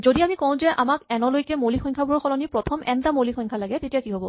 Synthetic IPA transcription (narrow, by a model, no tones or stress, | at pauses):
zodiamikɔ̃w̃zɛʔamakɛnɔlojkɛmolixɔjŋkʰabʱuɔɹxɔlɔnipɹɔtʰɔmʔɛntamolixʰɔjŋkʰalaɡɛtetijakiɦobɔ